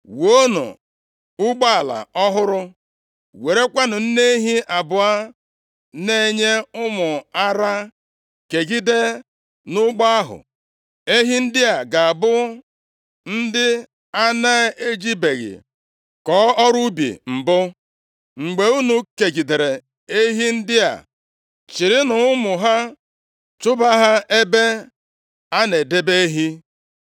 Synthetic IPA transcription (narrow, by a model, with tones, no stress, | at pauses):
wo˦nṵ˨ | ʊ˦ɡ͡ba˦a˨la̰˨ɔ˦ɦʊ˦ɾʊ˦ | we˨ɾe˦kʷa˦nʊ˨n̩˦ne˦ɦi˦ʔa˨bʊ˨a˦ | ne˦˨ɲe˦ʊ˦mʊ˨a˦ɾa˦ | ke˨ɡi˦de˦ | nʊ˦ɡ͡ba˦a˦ɦʊ̰˨ | e˦ɦi˦n̩˦dɪ˦a˨ɡa˨a˨bʊ˦ | n̩˦dɪ˦ | a˦na˦e˦d͡ʒi˦be˨ɣɪ̰˨ | kɔ˨˦ɔ˦ɾu˦bḭ˨m̩˨bʊ˦ | ŋ͡m̩˨ɡ͡be˨u˦nu˦ke˨ɡi˨de˨ɾe˨ | e˦ɦi˦n̩˦dɪ˦a̰˨ | t͡ʃi˨ɾɪ˦nʊ˨ʊ˦mʊ˨ɦa˦ | t͡ʃʊ˦ba˦ɦa˦e˦be˦ | a˦ne˨de˦be˦ɦi˦